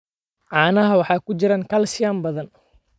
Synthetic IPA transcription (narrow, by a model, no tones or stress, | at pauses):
ʕɑːnɐɦɐwɑħɑːkʊt͡ʃɪɾaːŋkʰɐlsɪjaːmbɐðɐn